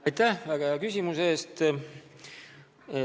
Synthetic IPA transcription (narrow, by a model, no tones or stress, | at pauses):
ɑjt̪æhvæɡ̥ɑɑkysʲimuseːst̪